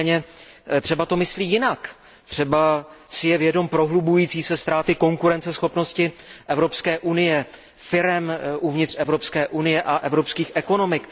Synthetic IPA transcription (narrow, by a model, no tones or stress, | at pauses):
ɲɛt̪r̥ɛbat̪o̞mɪsliːjɪnak | t̪r̝̥ɛbasɪjɛvjɛdo̞mpɾo̞ɦlubujiːt͡siːsɛst̪ɾaːt̪ɪko̞ŋkuɾɛnt͡sɛsxo̞pno̞scɪʔɛvɾo̞pskɛːʔunɪjɛ | fɪɾɛmʔuvɲɪt̪rɛvɾo̞pskɛːʔunɪjɛʔaʔɛvɾopskiːxʔɛko̞no̞mɪk